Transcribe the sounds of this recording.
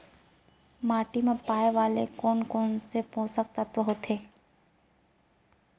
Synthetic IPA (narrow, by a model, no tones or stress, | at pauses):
maːʈimẽpaːeʋaːlekoːnkoːnsepõːsək̚t̪at̪ʋəɦot̪ʰeː